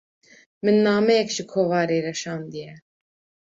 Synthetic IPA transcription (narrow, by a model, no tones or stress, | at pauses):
mənːɑːmɛkʃəkʰovɑːɾɛɾɛʃɑnd̪iɛ